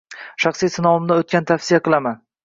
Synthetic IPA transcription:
ʃɑχsijsɪnɒɪmd̪ɪot̪̚kʲant̪ʰafsɪjaqɨlˠaman

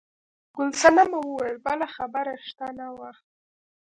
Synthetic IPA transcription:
ɡʊlsanamawəwajəlbalaxabaɾaʃt̪anawaxt̪̚

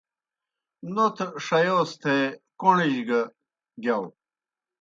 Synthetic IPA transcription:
not̪ʰʂɐjoːst̪ʰekoɳiʑɡɐ | ɡjɐw

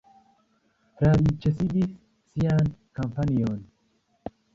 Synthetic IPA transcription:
ɾadit͡ʃəsid̪is | sijankampanijon

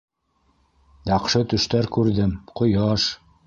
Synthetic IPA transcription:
jɑqʃɤt̪ɵ̆ʃt̪æɾkʉɾðɘmqŏjɑʃ

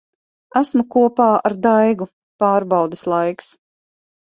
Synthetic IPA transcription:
æsmukuɔpaːaɾd̪ajɡu | paːɾbɑwd̪eslˠajks

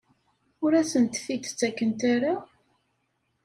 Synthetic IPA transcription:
ʊɾæsənt̪fit̪t͡sːækːənt̪aɾa

